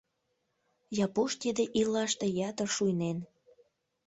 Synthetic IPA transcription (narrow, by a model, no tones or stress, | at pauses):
jɑpoʃt̪id̪eʔilɑʃt̪ejɑt̪ə̆ʃujnen